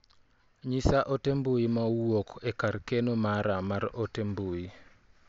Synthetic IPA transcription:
ɲisaʔotembuimawwokekarkenomaɾamaɾotembui

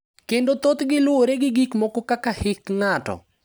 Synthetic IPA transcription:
kendot̪ot̪ɡɪlʊoɾeɡɪɡikmokɔkakahɪkŋatɔ̰

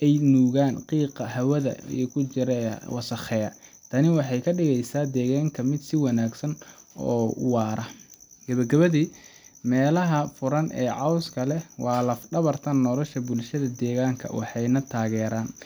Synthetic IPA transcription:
ʔɛjnuːɣaːnqiːqɐɦɐwɐðɐ̰ḭjkʰʊt͡ʃɪɾɛ̰wɑsɐχɛːɐt̪ʰɐnɪwɑħɑjkʰɐɖɪɣɛjsaːd̪ɛːɣaːŋkʰɐmɪd̪sɪwɑnaːɡsɐn | ɔ̰ːʊ̰wɑːɾɐɡɐβɐɡɐβɐðiːmɛːlɐɦɐfʊɾɐnʔɛ̰ːʕɑwskʰɐlɛwɑːlɐfɖɐβɐrt̪ʰɐnːɔlɔʃɐbʊlʃɐðɐd̪ɛːɣaːŋkʰɐ̰wɑ̰ħɑjnɐt̪ʰaːɣɛːɾaːn

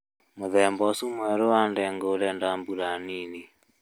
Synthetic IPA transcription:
moðɛmbɔsumwɛɾoandɛŋɡolɛndambulanini

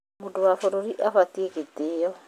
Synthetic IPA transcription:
modowafoɾoɾiʔafatieketeːɔ

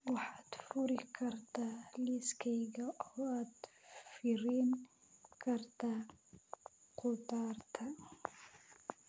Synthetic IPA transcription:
waħat̪fuɾikaɾt̪aliskajɡaʔawat̪fiɾinkaɾt̪a | qut̪ɑɾˤt̪ʰa

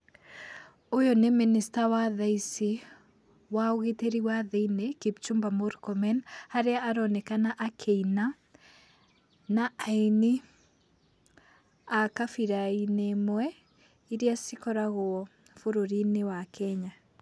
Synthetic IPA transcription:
ojɔneministawaðaisi | waoɣeteɾiwaðeinekept͡ʃumbamoɾkɔmɛnhaɾeaːɾɔnɛkanaʔakʰeina | naaini | akafiɾainemwɛ | iɾiasikɔɾaɣoɔ | foɾoɾinewakʰɛɲa

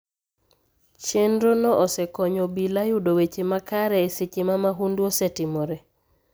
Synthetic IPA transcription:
t͡ʃendɾonɔʔɔsɛkɔɲobilajudowet͡ʃemakaɾɛːsit͡ʃimamaɦundwosetɪmɔɾɛ

